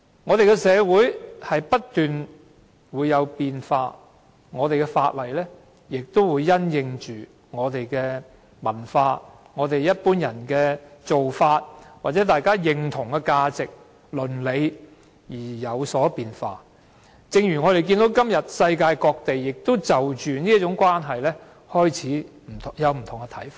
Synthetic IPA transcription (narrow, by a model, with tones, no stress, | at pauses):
ŋɔː˨˧t̪e˨jkɛ˧sɛː˨˧wuː˨˥jhɐ˨jpɐ˥t̚t̪yː˨n | wuː˨˧jːɐ˨˧wpiː˨nfaː˧ | ŋɔː˨˧t̪e˨jkɛ˧faː˧t̚lɐ˨˩jlɛː˥ | jɪ˨k̚t̪o˥wwuː˨˧jːɐ˥njɪ˧ŋt͡ʃyː˨˩ | ŋɔː˨˧t̪e˨jkɛː˧ | mɐ˨˩nfaː˧ | ŋɔː˨˧t̪e˨jjɐ˥t̚puː˥njɐ˨˩nkɛː˧t͡so˨wfaː˧t̚waː˨t̚t͡sɛ˨˥t̪aː˨jkaː˥jɪ˨˧ŋt̪ʰʊ˨˩ŋkɛ˧kaː˧t͡sɪ˨k̚ | lɵ˨nle˨˧j | jiː˨˩jɐ˨˧wsɔː˨˥piː˨nfa̰ː˧ | t͡sɪ˧ŋjyː˨˩ŋɔː˨˧ɾe˨jki˧nt̪o˨˥wkɐ˥mjɐ˨t̚sɐ˧jkaː˧jkɔː˧k̚t̪e˨jːɪ˨k̚t̪o˥wt͡sɐ˨˩wt͡ʃyː˨ni˥ɐ˥tt͡sʊ˨˧˥ŋkwaː˥nɦɐ˨jlɛː˥ | hɔː˥jt͡sʰiː˨˥m̩ʰ˨˩˨jɐ˨˧wm̩˨˩t̪ʰʊ˨˩ŋkɛ˧t̪ʰɐ˨˥jfaː˥˧